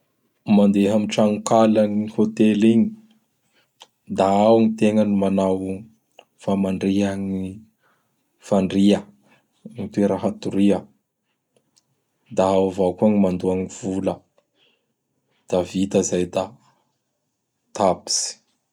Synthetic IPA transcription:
mand̪eɦamiʈ͡ʂaŋukalaŋihot̪eliɲi | d̪aawnit̪eŋənimanaw | famaɳɖ͡ʐiaŋi | faɳɖ͡ʐiə | it̪ueɾəɦat̪uɾiə | d̪aawvawkuaŋimand̪uaŋiv̥ulə | d̪̥avit̪əzajd̪a | t̪abi̥z̥i̥

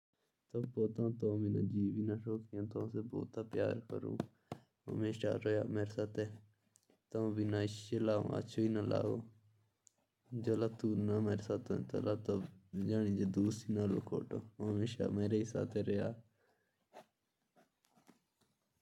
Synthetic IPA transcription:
t̪oːpoːt̪ãːt̪oːmiːna̰ːd͡ʒiːʋiːnaːʃoːkʰijõːt̪õseːbo̰ːt̪aːpjaːɾkə̰ɾṵ̃ː | ɦə̰meːʃa̰ːɾəjaːmeːɾesaːt̪eː | t̪oːbinaːɪt͡ʃeːlaːõ̰ːə̰t͡ʃʰoːiːnaːla̰ːoː | d͡ʒolaːt̪uːnameːɾesaːt̪õːt̪o̰laːt̪od͡ʒaːniːd͡ʒeːd̪uːsiːnaːlo̰ːkʰo̰ːʈoːmeːʃa̰ːmeːɾeːɪsa̰ːt̪ʰeːɾeːaː

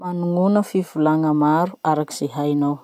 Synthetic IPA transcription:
manuŋunəfivulaŋəmaɾuaɾaki̥z̥eɦajnaw

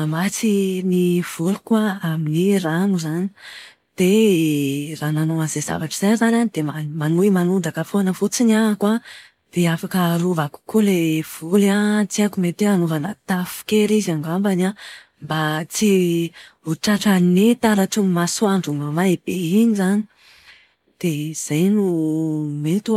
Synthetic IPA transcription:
amat͡siniv̥ulukwaaminiranuzani̥ | d̪̥e | rananoanzeza̰vaʈ͡ʂiz̥ajzananid̪emamanuimanud̪akəfoanəfut͡sinakwa | d̪̥eafakəruvaku̥kulev̥ulat͡siakumet̪eanovanət̪afi̥keɾizaŋɡambana | mbat͡si | uʈ͡ʂaʈ͡ʂaninet̪aɾaʈ͡ʂumasuaɳɖ͡ʐumamaeb̥einizani̥ | d̪̥ez̥ajnu | met̪u

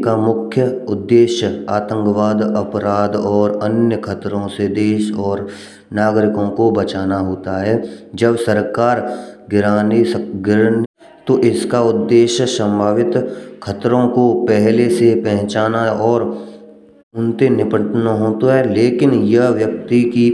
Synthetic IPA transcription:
kamʊkʰjəʊd̪ːeːʃjəaːt̪ə̃ŋkʋaːd̪ɐpɾaːd̪ɔːɾənjəkʰɐt̪ɾõsed̪eːʃɔːɾ | naːɡɾɪkõkobɐt͡ʃaːnaɦoːt̪aɦɛːd͡ʒəbsəɾkaːɾɡɪɾaːnisɡɪɾn | t̪oʔɪskaʊd̪ːeːʃjəsə̃mbʱaːʋɪt̪kʰət̪ɾõkopɛɦlesepɛɦɪ̃t͡ʃaːnaɔːɾ | ʊnt̪enɪpəʈnaɦoːt̪oɦɛːleːkɪnjɐɦʋjək̚t̪iki

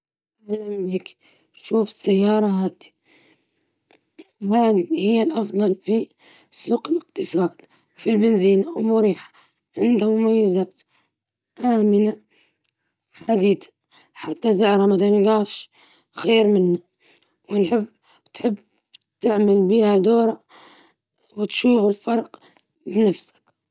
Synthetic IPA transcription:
alamlik | ʃuːfɪ̥sajːɑːɾˤɑɦaːd̪i̥ | wad̪hɪjːalʔɑfd̪ˤɑlfi | suːqɪlɪqt̪ɨsˤɑːd̪̥ | filbɪnziːnawmʊɾiːħḁ | ʕɪnd̪hamʊmajːazaːt̪ | ʔaːmɪna | ħad̪iːd̪ḁ | ħat̪ːazʊʕɾˤamad̪anɡaːʃ | xeːɾmɪnːa | wɪnħɪbː | wt̪ħɪbː | t̪ɪʕmalbiːhad̪oːɾˤa | wɪt̪ʃuːfɪlfɑɾˤq | bɪnafsḁk

